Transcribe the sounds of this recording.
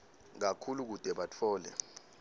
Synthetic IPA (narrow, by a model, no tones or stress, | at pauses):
k̬akʰuluk̬ud̥ʱɛɓat͡fʰɔːlɛ̰